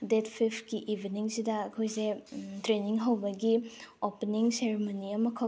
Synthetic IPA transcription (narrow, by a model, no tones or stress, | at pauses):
detʰpʰipʰkiʔibʱiniŋsidɐɐkʰojsetɾeniŋɦɐwbɐɡiopeniŋseɾimoniɐmɐkʰɐ